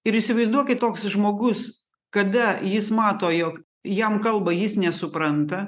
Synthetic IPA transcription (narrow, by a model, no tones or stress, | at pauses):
ɪɾɪʃʲsʲɪʋɐɪzd̪uɔkʲɪt̪oːksʒmoːɡʊs | kɐd̪ɐjɪsmɑːt̪oːjoːk | jɛmkɐlˠbɐjɪsnʲɛsʊpɾɐnt̪ɐ